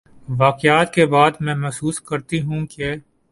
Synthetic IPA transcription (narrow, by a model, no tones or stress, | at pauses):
ʋaːqɪjaːt̪kebaːd̪mɛ̃ːmɛsuːskɐɾt̪iɦũke